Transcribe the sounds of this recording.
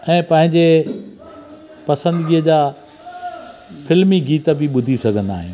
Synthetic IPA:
ɛ̃ːpɐ̃ɦɪ̃ɲd͡ʑe | pɐsə̃nd̪ɡiːəd͡ʑaː | fɪlmiɡiːt̪ə̆bɪɓʊd̪ʱisɐɡʱə̃nd̪a̰ːɦɪ̃

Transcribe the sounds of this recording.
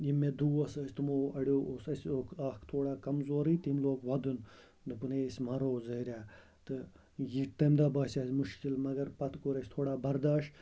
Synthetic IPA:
jimːed̪uːɐsɐsʲt̪ɨmoːɐɽjoːoːsɐsʲloːkʰaːkʰt̪ʰoːɽaːkɐmzoːɾit̪imloːkʋɐd̪un | d̪ɨpɨneːsʲmɐɾoːzɐɾʲaː | t̪ɨ | jit̪ɐmd̪aːbaːsʲaːsʲmuʃkilmɐɡɐɾpɐt̪koːɾɐsʲt̪ʰoːɽaːbɐɾd̪aːʃ

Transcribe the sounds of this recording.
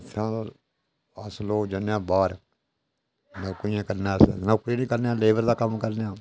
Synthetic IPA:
tʰãː | əsloːd͡ʒənãːbaːɾ | nəkoijãːkəɾnãːəsnəkɾiːnĩːkəɾneãːleːbəɾd̪aːkəmkəɾnejãː

